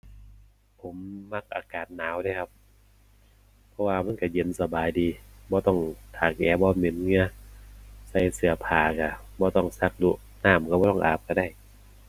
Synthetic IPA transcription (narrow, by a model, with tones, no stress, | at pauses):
pʰo˨˦mːa˧˥˩k̚ʔaː˨˩kaː˨˩n̚naː˨˦wda˧˩˨kʰa˧p̚ | pʰːɔ˧waː˧ma˧˥˨nka˧˩je˨˦nsa˧baː˨jdiː˨˧bɔː˧˦t̪ɔ˧˥˩ŋt̪ʰaː˨˩k̚ʔɛː˨˧˦bɔː˧˦me˨˦nŋɯ˧ɐ | sa˧˩jsɯ˧˩ɐpʰaː˨˩ka˧˩bɔː˧˦t̪ɔ˧˥˩ŋsa˧˥k̚du˧˥ʔ | naː˧˥˩mka˧˩bɔː˧˦t̪ɔ˥˩ŋʔa̰ː˨˩p̚ka˧˩da˧˩j